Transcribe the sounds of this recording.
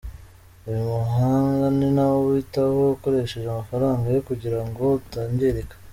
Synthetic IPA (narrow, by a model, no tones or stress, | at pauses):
ujumuɦaŋɡaninawowitahoko̞ɾe̞ʃe̞ʒamafaɾaːŋɡajokuɟiɾaŋɡo̞utaːɲɟeɾekḁ